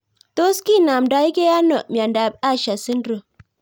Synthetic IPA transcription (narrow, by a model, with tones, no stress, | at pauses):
to˦ski˦˨na˨mda˦i˦ke˦ja˦no˨m˨a˨nda˨b̚a˦ʃa˨si˦ndɾo˨